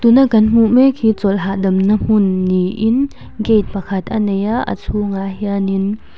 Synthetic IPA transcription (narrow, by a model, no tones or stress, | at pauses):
t̪unakɐnm̥uʔmɛkʰit͡sɔlɦaʔdɐmnəm̥unːiʔɪn | ɡejt̪̚pakʰɐt̪̚ʔanejaʔə̰t͡sʰuŋaɦiənin